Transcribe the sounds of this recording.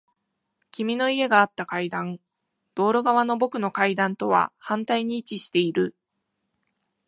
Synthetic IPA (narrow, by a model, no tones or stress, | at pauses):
kʲimʲino̞ie̞ɡaːt̪ːakaid̪ãŋ | d̪̥o̞ːɾo̞ɡaβano̞bo̞kɯ̟no̞kaid̪ãnt̪o̞β̞a̰hãnt̪aiɲ̟iːt͡ɕiɕi̥t̪e̞iɾɯ̟